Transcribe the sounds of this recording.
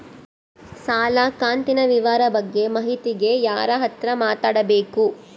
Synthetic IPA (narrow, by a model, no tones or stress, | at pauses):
saːlakaːnt̪inɐʋiʋaːɾɐbɐɡːe̞mɐɦit̪iɡe̞jaːɾɐɦɐt̪ɾɐmaːt̪aːɽɐbe̞ːku